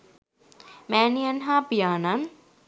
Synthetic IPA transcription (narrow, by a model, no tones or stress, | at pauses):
mɛːnijɐnɦaːpijaːnan